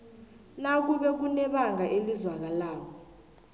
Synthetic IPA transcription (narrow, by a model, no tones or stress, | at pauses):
nak̬ʼuɓɛk̬unɛɓaŋʱaʔelizwak̬alaːkʰɔ